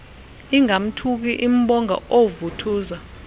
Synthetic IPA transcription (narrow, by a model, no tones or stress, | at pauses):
iŋam̩tʰuk̬iʔim̩ɓɔŋa̰ovutʰuːza